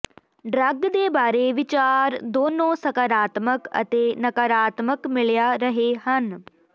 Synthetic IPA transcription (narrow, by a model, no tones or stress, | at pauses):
ɖɾɐɡd̪eːbaːɾeʋɪt͡ʃaːɾd̪oːnõːsɐkaɾaːt̪məkɐ̰t̪enɐkaɾaːt̪məkmɪɭjaɾɐɦehɐn